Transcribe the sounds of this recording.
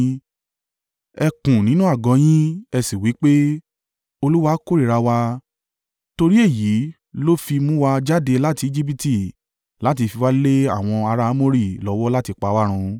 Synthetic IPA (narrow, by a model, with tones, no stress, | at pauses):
ɛ˧kũ˨nĩ˨˦nũ˦a˦˨ɡɔ̃˨˦j̃ĩ˦ɛ˧si˨wi˨˦k͡pe˦ | o˧lu˦wa˦ko˦ɾi˦˨ɾa˧wa˧ | to˧ɾi˦e˦˨ji˨˦ | lo˦fi˧mũ˦wa˧d͡ʒa˦de˧la˦ti˧i˦d͡ʒi˦p̬i˦ti˨ | la˨˦ti˧fi˧wa˦le˦a˦˨w̃ɔ̃˧a˧ɾa˦mo˦ɾi˦˨lɔ˨˦wɔ˦la˦ti˧k͡pa˧˦wa˦ɾ̃ũ˧